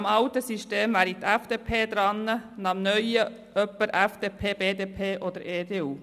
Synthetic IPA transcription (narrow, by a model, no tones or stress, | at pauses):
mɑʊtəsyʃteːmvæːɾit̪æfd̥eːpʰeːd̪̥ɾɑnːənɑmnœʏə | ʔœpːəɾʔæfd̪̥eːpʰeːb̥eːd̪eːpʰeːʔod̪əɾeːd̪eːuː